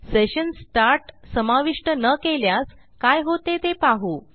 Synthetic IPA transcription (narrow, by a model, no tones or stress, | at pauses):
seɕənsʈaɾʈsəmaʋiʂʈənəkeljas | kajɦot̪et̪epaɦu